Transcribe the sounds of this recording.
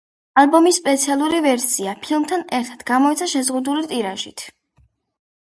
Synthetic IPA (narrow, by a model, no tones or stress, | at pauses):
albɔmisːpʼɛt̪sʰialˠuɾivɛɾsiapʰilˠmt̪ʰanɛɾt̪ʰad̪ɡamɔit̪sʰaʃɛzʁud̪ulit̪ʼiɾaʒit̪ʰ